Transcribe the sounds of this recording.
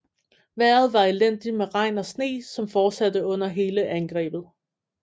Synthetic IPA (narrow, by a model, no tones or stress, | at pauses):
ʋæɐ̰ð̞̩ˠʋɑ̈elen̰d̥imeʁɑ̈ɪ̰nɒ̽sne̝̰ːsɒ̽mfɒ̥ːsæd̥əɔ̽n̰ɐɦe̝ːləʔænɡ̥ʁɛ̰ːb̥ð̞̩ˠ